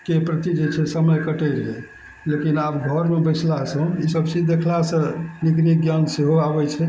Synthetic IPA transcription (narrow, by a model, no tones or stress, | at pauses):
kepɾət̪id͡ʒet͡ʃʰɛsəməjkəʈɛɾɦe | lekinabɡʱɔɾmebət͡ʃʰlasəũisəbt͡ʃid͡ʒd̪ekʰlasəniɡniɡjanseɦoabɛt͡ʃʰɛ